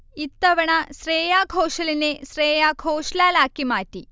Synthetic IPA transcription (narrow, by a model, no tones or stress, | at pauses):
it̪ːɐʋɐɳɐsreːjaːɡʱoːʂɐlinesreːjaːɡʱoːʂlaːlaːkːimaːʈːi